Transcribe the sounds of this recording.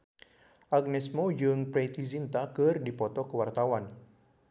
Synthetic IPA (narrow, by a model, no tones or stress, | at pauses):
ʔaɡ̚nɛsmod͡ʒɨŋpɾɛt̪izint̪akɨrdipɔt̪ɔkəwart̪awan